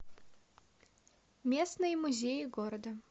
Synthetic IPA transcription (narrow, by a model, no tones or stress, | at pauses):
mʲesnɨjəmʊzʲejɪɡoɾəd̪ə